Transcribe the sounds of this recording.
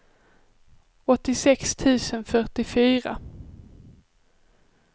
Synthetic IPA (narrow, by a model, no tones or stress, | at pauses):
ɔt̪ːɪsɛkst̪ʰʉ̟ːsənfœʈɪfyːɾa̰